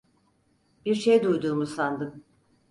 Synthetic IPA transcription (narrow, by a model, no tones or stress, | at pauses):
b̥iɾʃejd̪ujd̪uːmusand̪ɯm